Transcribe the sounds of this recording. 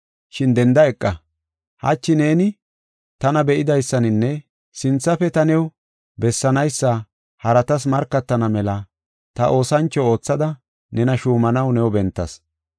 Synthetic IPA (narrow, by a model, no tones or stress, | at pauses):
ʃɪnd̪ɛnd̪ɐɛkʼːɐ | hɐ̰t͡ʃːɪne̞ːnɪ | t̪ɐnɐbɛʔɪd̪ɐjsːɐnɪnːɛ | sɪnt͡sːɐfɛt̪ɐnɛw | bɛsːɐnɐjsːɐ | hɐɾɐt̪ɐs̬mɐɾkːɐt̪ːɐnɐmɛlɐ | t̪ɐʔo̞ːsɐnt͡ʃːɔo̞ːt͡sːɐd̪ɐ | nɛnɐʃuːmɐnɐwnɛwbɛnt̪ːɐ̰s